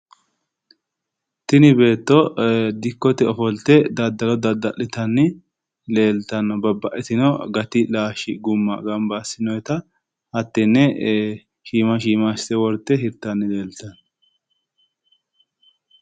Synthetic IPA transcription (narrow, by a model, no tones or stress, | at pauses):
t̪ɪnɪbe̞ːt̪ːɔd̪ɪkːɔt̪ɛɔfɔlt̪ɛd̪ɐd̪ɐlɔd̪ɐd̪ɐlːɪt̪ɐnːɪ | le̞ːlt̪ɐnːɔbɐbːɐʔɛt̪ɪnɔɡɐt̪ɪlaːʃɪɡʊmːɐ̰ɡɐmbɐːsɪnɔjt̪ɐ | hɐt̪ːɛnːɛ | ʃiːmɐʃiːmast̪ɛwɔɾt̪ːɛɦɪɾt̪ːɐnːɪle̞ːlt̪ɐnːɔ